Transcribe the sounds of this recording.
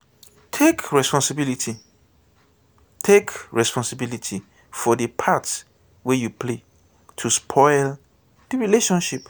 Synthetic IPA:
tʰekɹɛspɔ̃nsɪbilitʰi | tʰekɹɛspɔ̃nsɪbilitʰi | fɔdəpʰats | wɛjupʰle | tʰuspʰɔɪl | iɹileʃɔ̃nʃip

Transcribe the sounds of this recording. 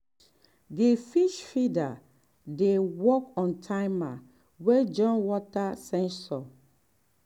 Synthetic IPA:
difiʃfida | dewɔkɔ̃ntʰaɪma | wed͡ʒɔ̃nwɔtasɛ̃nsɔ

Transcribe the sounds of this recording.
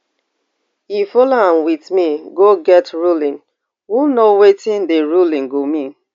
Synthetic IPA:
ifɔloãnwiθmiɡoɡɛtɹulĩn | wunowetĩndeɹulĩŋɡomĩn

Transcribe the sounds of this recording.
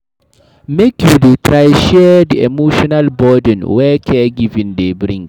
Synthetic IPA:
mekjuditʰɹajʃɛdiʔɛ̰moʃɔnalbɔdə̃nwɛkʰɛɡivĩndebɾĩŋɡ

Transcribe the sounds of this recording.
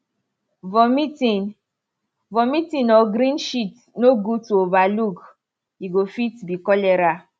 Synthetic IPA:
vɔmitin | vɔmitĩnɔɡɾĩnʃit | noɡutuovaluk | jiɡofitbikɔlɛɾa

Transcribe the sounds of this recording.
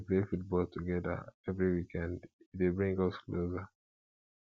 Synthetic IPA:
plefut̚bɔltʰuɡɛðə̰ɛvɹiwikʰɛ̃nditwebɹĩŋɡʌsklozə

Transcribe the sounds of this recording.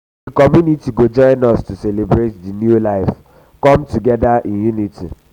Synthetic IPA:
dikɔmjunitiɡod͡ʒɔ̃ɪ̃nɔstuselebɾetdinjulaɪf | kɔmtuɡɛdaʔĩnjunitʰḭ

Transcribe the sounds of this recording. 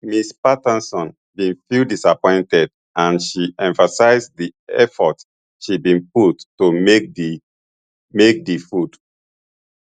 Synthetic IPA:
mispatãnsɔ̃n | bĩnfildisapɔ̃ɪ̃ntɛd | ãnʃiʔɛ̃ɱfasaɪzdiɛfɔt | ʃibĩnputːumek̚ | mek̚difud̥

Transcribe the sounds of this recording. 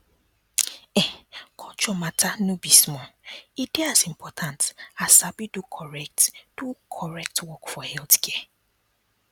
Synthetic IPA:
ɛkʰɔt͡ʃɔmatʰanũbismɔideazim̩pʰɔtʰãntasabidukʰɔɹɛk̚td̥ukʰɔɹɛk̚twɔkfɔhɛltkʰɛɛ

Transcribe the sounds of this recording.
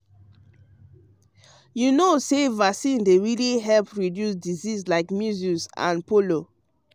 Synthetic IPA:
junosevaksĩndeɹiliɦɛlpɹidjusdizislaɪkmjuzũsã̰npolo

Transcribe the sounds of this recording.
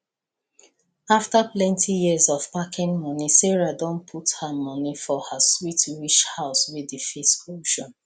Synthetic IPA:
aftaplɛ̃ntʰijiəzɔvpakĩnmɔnisɛɹadɔ̃npʰuthamɔnifɔhaswitwiʃhaʊswiðəfesoʃɔ̃n

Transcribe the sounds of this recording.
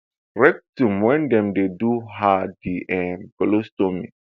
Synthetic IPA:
ɾɛk̚tumɛ̃ndɛ̃mdeduɦadiʔɛnpɛlostomḭ̃

